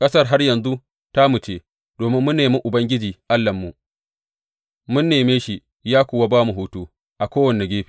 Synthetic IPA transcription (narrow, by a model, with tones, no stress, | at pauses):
kʼɐ˦sɐ˦rɦa˦rjɐ˨nzu˦ | ta˦mu˨t͡ʃeː˦ | d̥oː˨mɪ˦mːʊ˦nːeː˨mʊ˦ʔʊ˨bɐ˦ŋɡʲɪ˦d͡ʒiː˨ʔa˦lːɐ˨mːu˨ | mʊ˦nːeː˨meː˦ʃi˨ | jaː˦kʷʊː˨wa˦baː˦mu˨ɦuː˦tuː˦ | ʔa˨kʷoː˦wɐ˨nːe˨ɡʲeː˦ɸi̥˨